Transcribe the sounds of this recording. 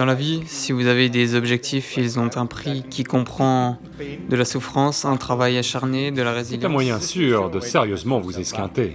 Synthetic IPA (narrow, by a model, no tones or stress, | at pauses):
d̪ɑ̃lavisivuzaved̪ezɔbʒɛk̚t̪ʰifilzɔ̃t̪ɛ̃pχikʲʰikɔ̃pχɑ̃ | d̪əlasufχɑ̃sɛ̃t̪χavajaʃaʁned̪əlaʁeziljɛ̃mwajɛ̃syːʁd̪əseʁjøzmɑ̃vuzeskʲɛ̃t̪e